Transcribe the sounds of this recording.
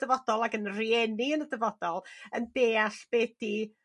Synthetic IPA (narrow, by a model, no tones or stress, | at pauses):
d̥əvɔdɔlˠaɡənriɛniənədəvɔdɔlˠəndeːaɬb̥ɛːd̥i